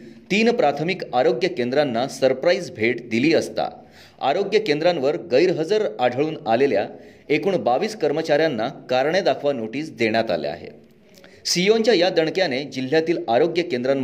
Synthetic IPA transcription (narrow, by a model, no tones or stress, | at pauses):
t̪iːnpɾat̪ʰəmikaɾoɡjəkend̪ɾanːasəɾpɾaisbʱeʈd̪iliːəst̪a̰ | a̰ɾoɡjəkend̪ɾãnʋəɾɡəjɾɦəd͡zəɾaɽʱəɭuːnalelja̰ | ekuːɳbaʋiːskəɾmət͡ɕaɾjanːakaɾɳed̪akʰʋanoʈiːsd̪eɳ̃jat̪a̰lḛa̰ɦḛ | siont͡ɕjajad̪əɳkjaned͡ʑil̤ːjat̪iːlaɾoɡjəkend̪ɾan